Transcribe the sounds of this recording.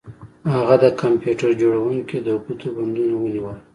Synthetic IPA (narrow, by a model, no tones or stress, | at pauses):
haɣad̪əkampjuʈaɾd͡ʒoɽawuŋked̪əʊqut̪oband̪unawəniwəl